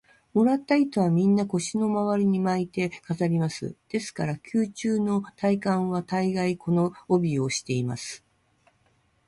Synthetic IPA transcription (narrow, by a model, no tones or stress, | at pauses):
mo̞ɾat̪ːait̪o̞βamʲĩnːako̞ɕino̞maβaɾʲiɲ̟imait̪e̞kazaɾʲimasɨ̰d̪̥e̞sɨ̥kaɾakʲʰɨːt͡ɕɨːno̞t̪aikãɰ̃β̞at̪aiɡaikʰo̞no̞ːbʲio̞ɕi̥t̪e̞ima̰sɨ̥